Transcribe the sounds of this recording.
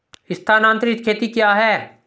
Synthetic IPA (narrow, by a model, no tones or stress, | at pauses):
ɪst̪ʰaːnãːnt̪ɾɪtkʰeːt̪ikjaːɦɛː